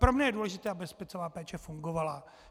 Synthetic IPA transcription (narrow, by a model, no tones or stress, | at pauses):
pɾo̞mɲɛjɛduːlɛʒɪt̪ɛːabɪspɛt͡sovaːpɛːt͡ʃɛfuŋɡovala